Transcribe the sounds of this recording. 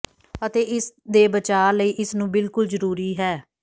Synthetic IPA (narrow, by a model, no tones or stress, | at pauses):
ət̪eːʔɪsd̪eːbət͡ʃaːləiːʔɪsnũːbɪlkʊlzəɾuːɾiːɦɛː